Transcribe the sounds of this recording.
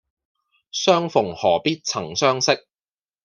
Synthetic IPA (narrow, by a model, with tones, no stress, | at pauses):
sœː˥ŋfʊ˨˩ŋhɔː˨˩piː˥t̚t͡sʰɐ˨˩ŋsœː˥ŋsɪ˥k̚